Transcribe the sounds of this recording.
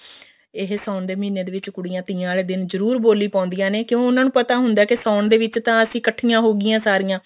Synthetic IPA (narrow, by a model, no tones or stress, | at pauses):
ɪɦsaːʊnd̪eːmĩːneːd̪eːʋɪt͡ʃkʊɽijãːt̪ĩːãːleːd̪ɪnzəɾuːɾboːliːpãʊnd̪ijãːneːkjõːʊnãːnũːpət̪aːɦʊnd̪aːkɪsaːʊnd̪eːʋɪt͡ʃt̪ãːəsĩːkəʈʰijãːɦoːɡɪjãːsaːɾɪjãː